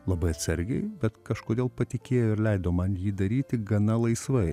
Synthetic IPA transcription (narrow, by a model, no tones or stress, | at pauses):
lˠɐbɐɪɐt̪ʲsɐɾʲɡʲɛɪbʲɛt̪kɐʃkoːd̪ʲeːlˠpɐt̪ʲɪkʲeːjoːɪɾlʲɛɪd̪oːmɐnjiːd̪ɐɾʲiːt̪ʲɪɡɐnɐlˠɐɪsʋɐɪ